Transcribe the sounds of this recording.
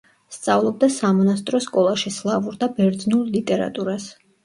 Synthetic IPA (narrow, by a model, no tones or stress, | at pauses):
st̪sʼavlˠɔb̚d̪asamɔnast̪ʼɾɔskʼɔlˠaʃislˠavuɾd̪abɛɾd̪znulˠlit̪ʼɛɾa̰t̪ʼuɾas